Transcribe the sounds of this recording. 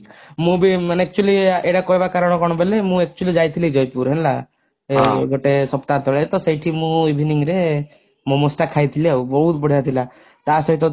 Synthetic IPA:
mũbimanɛk̚t͡ʃualieɽakɔjbakaɾɔɽ̃ɔkɔɽ̃ɔbelemũɛk̚t͡ʃuəlid͡ʒajt̪ʰilid͡ʒɔjpuɾɦɛnla | eɡoʈesɔpt̪at̪ɔɭet̪ɔsejʈʰimũwibʱiniŋɾe | mɔ̃mɔsʈakʰːajt̪ʰilebɔɦut̪bɔɽ̤ijat̪ʰila | t̪asɔɦit̪ɔ

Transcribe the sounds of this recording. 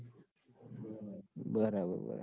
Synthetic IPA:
bəɾabə̰bə̰ɾa

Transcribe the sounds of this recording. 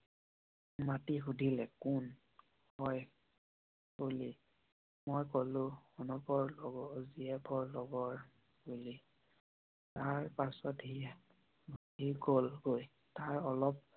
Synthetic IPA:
matixudʱilɛkun | hɔj | kuli | mojkɔlʊ̃xunupɔɹlɔɡɔziɛpʰɔɹlɔɡɔɹ | buli | taɹpasɔthiɛ | bʱɦiɡolɡoj | taɹɔlɔp̚

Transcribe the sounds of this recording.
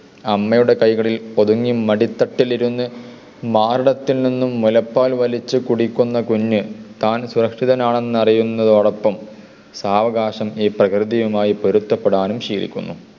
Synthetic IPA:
ɐmːɐjuɽe̞kɐjɣɐɭilo̞ðuŋːimːɐɽit̪ːɐʈːiliɾunːɨ | maːɾɐɽɐt̪ːilninːumːulɐpːaːlʋɐlit͡ɕːɨkuɽikʲːunːɐkuɲːɨt̪aːnsuɾɐkʂiðɐnaːɳe̞nːɨɐrijunːɐðɨɐɭɐpːɐm | saːʋɐɡaːʂɐmiːprɐkrɨðijumaːjipo̞ɾut̪ːɐpːeɽaːnumɕiːlḭkʲːunːu

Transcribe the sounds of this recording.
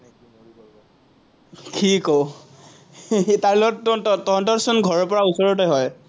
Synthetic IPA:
tʰiko | taɹlɔɔttɔɦɔntɔsunɡʱɔɹɔpɔɹausɔɹɔtɔɦɔj

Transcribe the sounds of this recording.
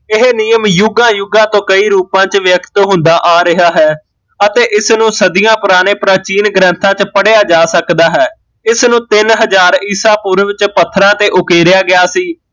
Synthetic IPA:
ɪɦeniːəmjʊɡãːjʊɡãːt̪õːkəiːɾuːpãːt͡ʃʋjəkt̪ɦʊ̃nd̪aːʔaːɾɪɦaːɦɛː | ət̪eːʔɪsnũːsəd̪ijãːpʊɾaːneːpɾaːt͡ʃiːnɡɾə̃nt̪ʰãːt͡ʃpəɽejaːd͡ʒaːsəkd̪aːɦɛː | ɪsnũːt̪ɪnɦəzaːɾɪːsaːpuːɾʋɪt͡ʃpət̪ʰːɾãːt̪eːʔʊkeːɾɪjaːɡɪaːsiː

